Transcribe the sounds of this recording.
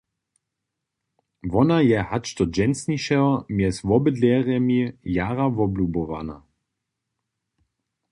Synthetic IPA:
vɔnajɛhat͡ʃt̪ɔd͡ʒɛnsniʃɛɔmjɛsvɔbəd̪lɛʁɛmijaːʁavɔblubɔva̰na̰

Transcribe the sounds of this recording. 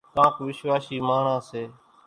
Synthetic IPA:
kãːkʋɪʃʋaːsiːmaːɳãːseː

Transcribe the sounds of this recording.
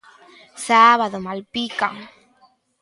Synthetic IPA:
saβaðomalpikaŋ

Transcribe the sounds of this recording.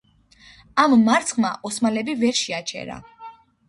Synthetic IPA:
amːaɾt̪sʰχmaʔɔsmalɛbivɛɾʃiat͡ʃʰɛ̰ɾa̰

